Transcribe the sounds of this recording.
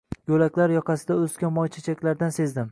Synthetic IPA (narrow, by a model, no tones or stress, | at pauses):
jolakʲlaɾjɒqʰɑsɪd̪aɵskʲamɒjt͡ʃʰat͡ʃʰakʲlaɾd̪anse̞zd̪ɪm